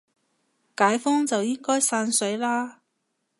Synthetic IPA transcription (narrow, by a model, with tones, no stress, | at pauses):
kaː˨˥jfɔː˥ŋt͡sɐ˨wjɪ˥ŋkɔː˥jsaː˧nsɵ˨˥ɥlaː˥